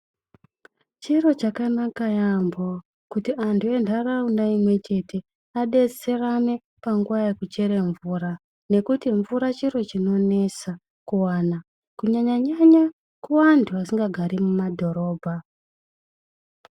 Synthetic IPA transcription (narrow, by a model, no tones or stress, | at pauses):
t͡ʃiɾo̞t͡ʃakanakajambo | kutiʔantʰue̞ndaraundaimwe̞t͡ʃe̞tʰe̞ | aɗe̞se̞rame | paŋɡuʋajekut͡ʃe̞ɾe̞ɱvuɾa | ne̞kutiɱvuɾat͡ʃiɾo̞t͡ʃino̞ne̞sa | kuwana | kuɲaɲaɲaɲa | kuʋantʰuasiŋɡaɡʱaɾimumadʱo̞ɾo̞ːbʱa